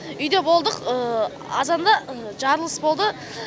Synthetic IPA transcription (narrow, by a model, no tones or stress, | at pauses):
ʏjd̪e̞bo̞lˠd̪əqə | ɑzɑnd̪ɑʒɑɾlˠəsbo̞lˠd̪ə